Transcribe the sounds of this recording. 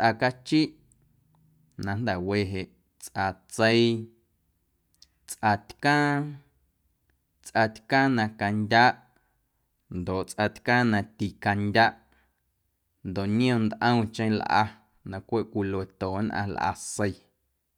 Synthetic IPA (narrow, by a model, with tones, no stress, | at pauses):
t͡sʔa˧ka˦t͡ʃi˦ʔ | nã˧nd̪ɛ˨weː˧˨ɦe˨ʔ | t͡sʔa˧t͡se˦i˦˧ | t͡sʔa˧t̪ʲkãː˦ | t͡sʔa˧t̪kãː˦nã˧ka˧ndʲaː˦ʔ | nd̪o˨ʔt͡sʔa˧t̪kãː˦nã˧t̪i˧˨ka˧ndʲa˦ʔ | nd̪o˨ʔnj̃õ˧˨nd̪ʔə̃˦w̃t͡ʃẽ˦j̃lʔa̰˧ | nã˧kʷe˦ʔkʷi˧le˨t̪oː˨˦nʔã̰˧lʔa̰˧se˧j